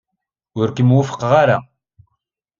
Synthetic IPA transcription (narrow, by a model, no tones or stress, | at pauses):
ʊɾkəmwʊfə̥qːʁaɾa